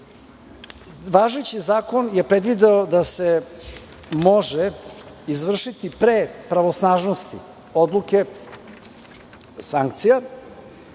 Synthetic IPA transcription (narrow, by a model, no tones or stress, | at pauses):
ʋaːʒet͡ɕizaːko̞nje̞pɾed̪ʋid̪eod̪ase | mo̞ʒe | izʋr̩ʃit̪ipɾepɾaʋosnaːʒnost̪ḭ | od̪lˠuke̞ | saŋkt̪sija